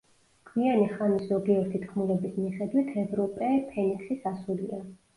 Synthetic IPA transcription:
kʰwianiχaniszɔɡiɛɾt̪ʰit̪ʰχmulɛbismiχɛd̪wit̪ʰɛvɾɔpʼɛpʰɛniksisasulḭa

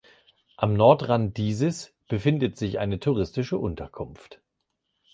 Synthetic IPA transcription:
ʔamnɔɐtʁand̥iːzəs | b̥əfɪndətz̥ɪçʔa̰ɪnətʰuʁ̞ɪstɪʃəʔʊntʰɐkʰʊnft

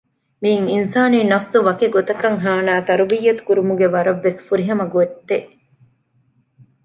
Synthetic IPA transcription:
miiŋinsaːniːnɐfsuʋɐkeɡot̪ɐkːɐŋɦaːnaːt̪ɐɾuʋijːɐt̪u̥kuɾumuɡeʋɐɾɐʋːesfuɾiɦɐmɐɡoet̪ːeʔ

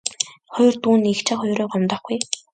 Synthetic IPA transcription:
χɔjrt̪uːnixt͡ɕʰə̆χʊjɾʊːɢɔmt̪ɔ̆ːχɡuj

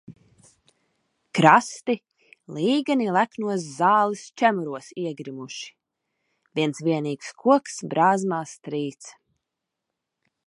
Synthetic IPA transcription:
kɾast̪i | lˠiːɡanilˠæknuɔs̬zaːlˠist͡ʃæmuɾuɔsiɛɡɾimuʃi̥ | vʲiɛnsvʲiɛniːkskʰuɔksbɾaːzmaːst̪ɾiːt̪s

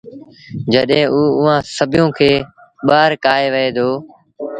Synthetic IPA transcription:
d͡ʒəɗɦẽːʔuːʊʋãːsəbʱɪjõːkʰeː | ɓaːɾkaːɦeːʋəeːd̪ʱoː

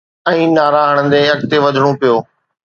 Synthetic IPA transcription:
ɛ̃ːnaːɾaːɦəɽ̃ənd̪eːɐkt̪eʋɐd͡ʒʱɽ̃õpɪjoː

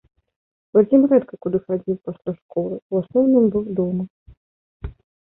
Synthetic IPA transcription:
vad͡zʲimɾɛt̪kɐkud̪ɨxad͡zʲiwpɐsʲlʲaʂkɔlˠɨuasnɔwnɨmbɨwd̪ɔmɐ

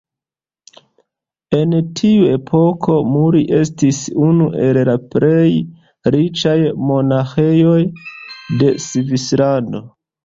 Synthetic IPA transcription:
e̞ntʰiue̞pʰo̞kʰo̞muɾiʔe̞stisunuʔe̞llaple̞j | ɾit͡ʃajmo̞naxe̞jo̞jde̞sivislando̞

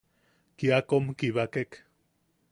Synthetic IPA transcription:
kiakomkiβakek

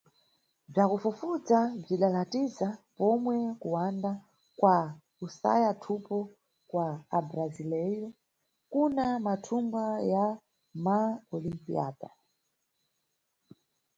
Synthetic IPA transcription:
b͡ʐakufufud͡zab͡ʐiɗalatizapɔmwɛkuwanda | kwa | usa̰jatʰupɔ | kwaːbɾazilɛjɔ | kunamatʰumɡaja | maɔlimpḭa̰ːda

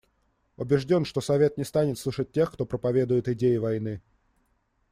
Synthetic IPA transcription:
ʊbʲɪʐdʲo̞nʂt̪o̞sɐvʲe̞t̪̚nʲɪst̪anʲɪt̪slˠuʂət̚ʲtʲːe̞xkt̪o̞pɾəpɐvʲe̞d̪ʊjɪt̪ɪdʲejɪvɐjnɨ

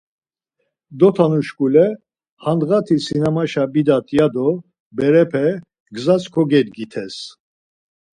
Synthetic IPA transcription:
d̪ɔt̪ʰanuʃkʼulɛ | hand̪ʁat̪ʰisinamaʃabid̪at̪ʰʼjad̪ɔ | bɛɾɛpʰɛ | ɡzat͡skʰɔɡɛd̪ɡit̪ʰɛs

